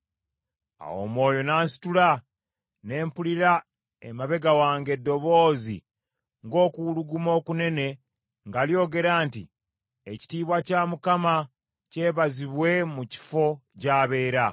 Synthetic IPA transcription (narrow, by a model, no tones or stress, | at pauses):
a̰wo̞̰mwo̞ːjo̞naːnsi̥tula | ne̞ːmpuliɾa | ḛmaβe̞ɡawaːŋɡe̞dːo̞βo̞ːzḭ | ŋɡo̞ːkuuluɡumo̞ːkune̞ne̞ | ŋɡaljo̞ːɡe̞ɾaːntḭ | eci̥tiːβwacaːmukama | ce̞ːβaziβwe̞muci̥fo̞caːβe̞ːɾa